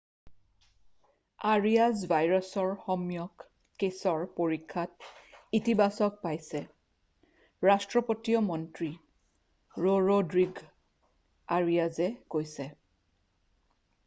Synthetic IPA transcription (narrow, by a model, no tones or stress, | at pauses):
aɹiazbʱajɹɔsɔɹxɔmjɔkː | esɔɹpoɹikʰːat̚itibasɔk̚pajsɛ | ɹastɹɔpotiɔmɔntɹi | ɹoɹodɹiɡ | aɹijazɛɡojsɛ